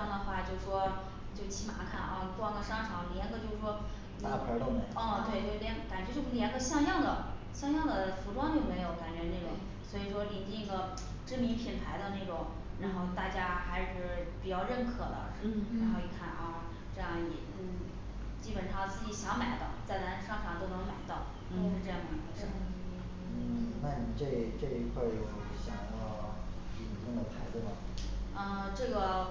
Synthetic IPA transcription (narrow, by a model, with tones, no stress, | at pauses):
jŋd̪ə˩xwa˥˩t͡ɕjo˥˧ʊʂ̩˨˩ʂwɔ˥ | t͡ɕjo˥˧ʊt͡ɕʰi˧˥˩ma̰˧˥kʰa̰˥˩nʔɐ˧˩kwɑ˥˩ŋɡə˨˩ʂɑ˥ŋʈ͡ʂʰɑ˧˥ŋljɛ˧˥nɡə˧t͡ɕjo˥˧ʊʂ̩˧˩ʂwɔ˥ | n˧˩˥ə˧˥˩ŋ˧˩ə˥˩t̪we˥˩ɪt̪we˥˩ɪljnka˨˩nt͡ɕɥɛ˧˥t͡ɕjo˥˩˥ljɛ˧˥nɡə˧ɕjɑ˥˧ŋjɑ˥˩ŋd̪ə˩ | ɕjɑ˥˧ŋjɑ˥˩ŋd̪ə˩fu˧˥ʈ͡ʂwɑ˥ŋt͡ɕjo˥˩ʊme˧˥ɪjo˧˥ʊka˨˩nt͡ɕɥɛ˧˥ne˥˩ʈ͡ʂʊ̰˨˩˦ŋ | swɔ˧˥i˨˩ʂwɔ˥li˨˩ne˥˩ɡə˩ | ʈ͡ʂɻ̩˥˩mi˧˥pʰi˨˩np̪ʰa˧˥ɪd̪ə˧ne˥˩ʈ͡ʂʊ˨˩˦ŋ | ɻa˧˥nxo˥˧ʊt̪a˥˩t͡ɕja˥xa˧˥ɪʂɻ̩˥˩pi˨˩t͡ɕjɑ˥˧ʊɻə˥˩nkʰɤ˨˩d̪ə̰˦ʂ̩˥˩ɻnxo˥˧ʊi˨˥˩kʰa˥˩nʔa˥˧˩ | ʈ͡ʂɤ˥˧jɑ˥˩ŋɛ̰˨˩n̩˥˩ | t͡ɕi˥pə˨˩nʂɑ˥˧ŋsʰɹ̩˧˥˩t͡ɕi˧˥ɕjɑ˧˥ŋma˨˩ɪt̪ɑ˥˧ʊt͡sa˥˩ɪna˧˥nʂɑ˥˧ŋʂɑ˥˩ŋt̪o˥ʊnɤ˧˥ŋma˨˩ɪt̪ɑ˥˩ʊ | t̪o˥˧ʊʂɻ̩˥˧ʈ͡ʂɤ˥˧jɑ˥˩ŋd̪ə˨˩i˧˥ə˧ə˥˩˧ | n̩˥˩na˥˩ni˨˩ʈ͡ʂe˥˧ʈ͡ʂe˥˩i˧˥kʰwa˥˩jo˨˩ʊ˨˩˥ɕjɑ̰˥˩ŋ˧˩ | li˨˩nt͡ɕi˥ŋd̪ə˨˩pʰa˧˥ɪt͡s̩˥˩mɐ˩ə˥˧ʈ͡ʂɤ˥˩ɡə˩